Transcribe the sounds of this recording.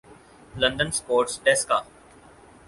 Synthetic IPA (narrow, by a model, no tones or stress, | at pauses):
lɐ̃ɳɖənspoːɾʈsɖɛːskaː